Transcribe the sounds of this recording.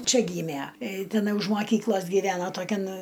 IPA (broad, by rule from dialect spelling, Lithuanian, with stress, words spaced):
ˈt͡ʃʲɛ ˈɡʲiːmʲæ tʲɪˈnɐɪ ʊʃ mɐˈkʲiːklˠoːs ɡʲɪˈʋʲæːnɐ toːˈkʲɛn